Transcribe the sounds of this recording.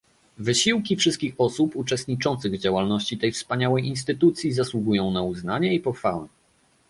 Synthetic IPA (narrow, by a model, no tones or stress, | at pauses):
vɘɕiwkʲifʂɘst̪kʲixɔsuput͡ʂɛst̪̚ɲit͡ʂɔnt̪sɘɣd͡ʑawalnɔɕt͡ɕit̪ɛjfspaɲawɛjʔinst̪ɘt̪ut̪sʲjizaswuɡujɔ̃w̃nauznaɲɛipɔxfawɛ̰